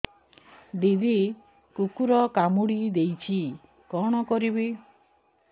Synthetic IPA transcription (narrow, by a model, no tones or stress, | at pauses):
d̪id̪i | kukuɾɔkamuɽid̪ejt͡ʃʰi | kɔɽ̃ɔkɔɾibi